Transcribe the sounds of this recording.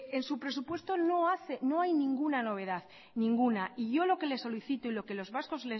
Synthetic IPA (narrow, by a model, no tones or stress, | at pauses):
ensupɾe̞s̬upwe̞st̪o̞no̞aθeno̞ajnĩŋɡunano̞β̞e̞ð̞að | nĩŋɡunaiʝo̞lo̞ke̞le̞sːo̞liθit̪oilo̞ke̞lo̞zβasko̞zle